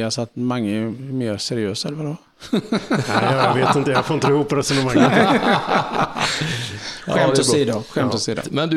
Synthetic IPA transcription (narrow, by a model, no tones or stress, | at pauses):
alsɔat̪maŋːəɛɛmeːɾsɛɾɪøːsɛlvaɾɔ | jajveːt̪ɪnt̪əjafoɾɪnt̪əɪhuːpɾɛsɔnəmaŋːə | mɔiːd̪aɧɛmt̪ɔsiːd̪a̰mɛnd̪